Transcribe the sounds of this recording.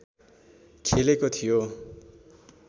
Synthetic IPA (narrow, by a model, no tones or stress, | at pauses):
kʰelekot̪ʰijo